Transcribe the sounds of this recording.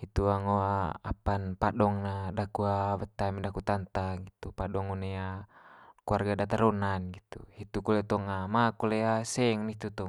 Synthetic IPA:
hit̪uaŋoaa̰panpaɗɔŋnadakuawət̪ːamidakut̪ant̪aɡit̪upaɗɔŋonɛa | kuarɡadat̪aɾɔnanɡit̪ṵhit̪ukulɛt̪ɔŋamakulɛasɛŋniit̪ut̪ɔ

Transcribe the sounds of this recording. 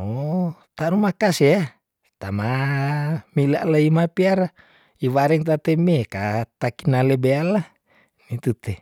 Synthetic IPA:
o | t̪anumakasea | t̪ama | mila̰ʔlaimapiaɾa | iwaɾɛŋt̪at̪emːekat̪akinalebealːa | mit̪ut̪e

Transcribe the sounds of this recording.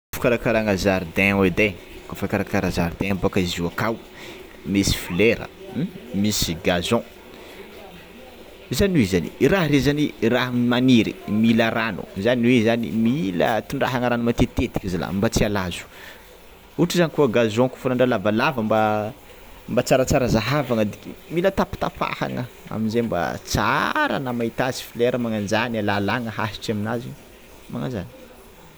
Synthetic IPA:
ufu̥kaɾakaɾaŋazaɾd̪ɛ̃ed̪e | kafakaɾakaɾazaɾd̪ɛ̃abokaiziakaw | mesi̥fileɾə̰misiɡazɔ̃ | izaniwizanḭraɦɾezaniraɦmaniɾḭmilaranṵzaniwezanḭmilə̰t̪uɳɖ͡ʐaɦaŋəɾanumat̪et̪et̪i̥kʲizila̰mbat͡sialazu̥ | uʈ͡ʂizanikuəɡazoŋku̥funaɳɖ͡ʐalavalavəmba | mbat͡saɾət͡saɾəzaɦavaŋəd̪ikimilət̪api̥t̪a̰fa̰ha̰ŋə | a̰minzemba̰t͡sa̰ɾa̰namait̪azi̥fileɾəmaŋand͡ʒanalalaŋəɦasi̥ʈ͡ʂaminaziɲ | maŋazani̥

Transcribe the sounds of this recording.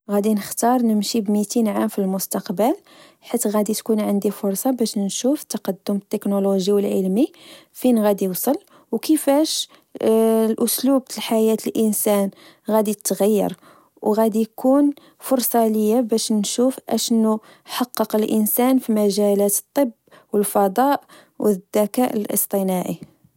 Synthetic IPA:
ɣæd̪inəxt̪ɑɾˤnəmʃibmit̪inʕamfilmʊst̪ɑqbəl | ħit̪ːɣæd̪it̪kunʕənd̪ifʊɾˤsˤɑbæʃnʃuft̪ːɑqɑd̪ːʊmət̪ːəknoloʒiwəlʕəlmi | finɣæd̪iwsˤəl | wkəfæʃ | lʔʊslub̚t̪əlħajæt̪əlʔənsæn | ɣæd̪it̪ːɣəjːɑ̰ɾˤ | wɣæd̪ijkʰun | fʊɾˤsˤɑləjːabæʃnʃufʔæ̰ʃnːu | ħɑqːɑqəlʔənsænfimæʒælæt̪ə̥t̪ˤːəb | wəlfɑd̪ˤɑʔ | wəd̪ːækæʔəlʔə̰st̪ˤənɑʕi

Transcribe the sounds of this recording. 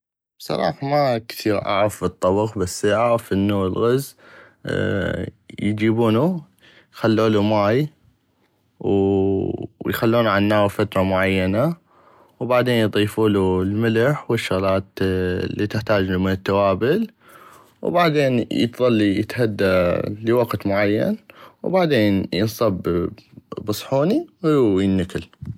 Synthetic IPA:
b̥sˤɑ̰ɾˤɑ̰ːħamakθiːɾʔa̰ʕɪfbɨt̪ˤːɑbɑqbasːʔaʕɾɪfʔɪnːulɣaz | jd͡ʒiːbuːnu | jxalːuːlumaːj | w | jxalːuːnʕanːaːwfat̪ɾˤɑmʊʕajːana | wbaʕd̪eːnjðˤiːfuːlulmɪlaħwɪʃːʊɣlɑːt̪lːit̪ɪħt̪aːd͡ʒnumɪnɪt̪ːawaːbɪl | wbaʕd̪eːnjɪ̰t̪ðˤɑlːijɪt̪had̪ːaləwaɡt̪mʊʕajːa̰nwbaʕd̪eːnjənsˤɑb | bɨsˤħuːniwjɪnːakɪl

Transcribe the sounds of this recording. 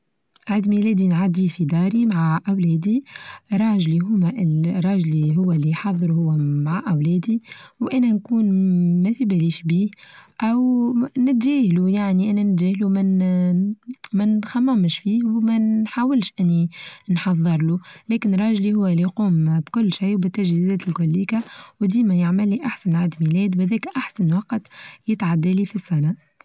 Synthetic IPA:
ʕad̪milɛːd̪inʕad̪ifid̪ɑːɾimaʕaʔæwlɛːd̪iɾˤɑːʒliɦʊmæʔɪɾˤːɑːʒliɦʊwːælːiħɑðˤːɾuhʊwːæmaʕaʔæwlɛːd̪iwʔænɛnkuːnmɛfibæliːʃbiːhʔæwnɪt̪ːæːhlujaʕniʔænænt̪ʒæːhlumɪn | mɪnxæmːamʃfiːhwmæħaːwɪlʃʔɪnːinħɑðˤːɨɾˤlulɛːkɪnɾˤɑːʒlihʊwːælːijquːmbkʊlːʃijwbɪt̪ːæʒhizɛːt̪ɪlkʊlːiːkawd̪iːmæjaʕmɪlːiʔaħsænʕad̪milɛːd̪whæðɛːkʔaħsænwɑqt̪jɪt̪ʕad̪ːælifisːænæ

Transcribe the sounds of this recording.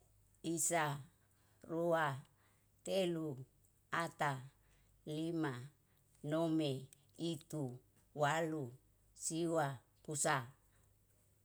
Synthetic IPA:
isa | rua | t̪elu | at̪a | lima | nome | it̪u | walu | siwa | pusa

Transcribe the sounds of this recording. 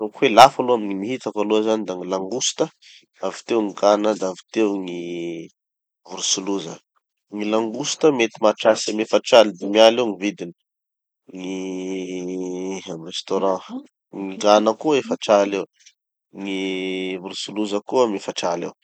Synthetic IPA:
rukwelafaluamiɲiniɦit̪akaluzanid̪aŋilaŋɡusi̥t̪ə | avi̥t̪ewŋiɡanəd̪avi̥t̪ewŋi | vuɾusuluzə̰ | ŋilaŋɡusi̥t̪əmet̪imaʈ͡ʂasemefaʈ͡ʂalid̪imialewŋivid̪ini̥ | ŋi | amrest̪oɾɑ̃ | ŋiɡanəkuəefəʈ͡ʂalew | ŋivuɾusuluzəkuəmefaʈ͡ʂalḛw

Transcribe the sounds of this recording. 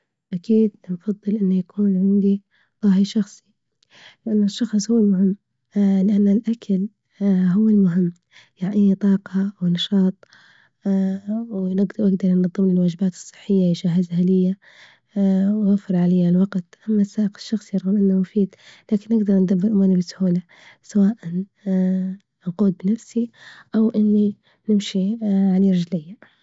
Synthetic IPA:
ʔakiːd̪nfɑðˤːɨlʔɪnːajakʰuːnʕɪnd̪i | ðˤɑħiʃɑxsˤi̥ | lɪʔanːɪʃːɑxsˤhuwːɪlmʊɦɪmː | lɪʔanːalʔakʰal | ɦʊwːɪlmʊɦɪmː | jaʕʔinit̪ˤɑːqɑwnɑʃɑːt̪ˤ | wnɪɡɪɡd̪ɑɾˤnnɑðˤːɨmlɪlwaːd͡ʒɪbaːt̪ɨ̥sˤːɨ̥ħːɪjːawɪʃaːɦazhalɪjːa | wɣafɪɾˤʕalɪjːalwɑɡt̪ʔamːasːaːʔɪqɪ̥ʃːɑxsˤjɑɾˤɣalʔɪnːamʊfiːd̪laːkɪnːɪɡd̪ɑɾˤnd̪abːɪɾʔʊmuːɾnibɪshuːla | sawaːʔan | nquːd̪̚bɪnafsiʔawʔɪnːi | nɪmʃiʕaliɾˤɑd͡ʒlɪjːa

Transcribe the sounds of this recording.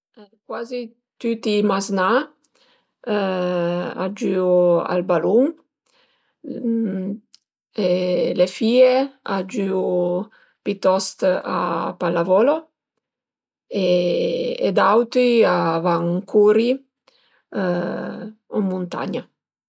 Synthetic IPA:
ɛkwaːzi | t̪yt̪imazna | a̰d͡ʒyua̰lbaluŋ | elefiːead͡ʒyu | pit̪ɔst̪a̰palavɔːlo | e | ḛd̪awt̪ɾiavaŋkʰuːɾi | umunt̪a̰ɲa

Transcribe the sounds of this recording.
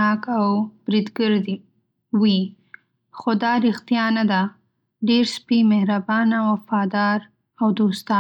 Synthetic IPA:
ɑkawb̥ɾid̪ɡəɾd̪i | wi | xod̪ɑɾɪxt̪ijɑnad̪a | ɖeɾspimehɾabɑnawafɑd̪ɑɾ | awd̪ost̪ɑ

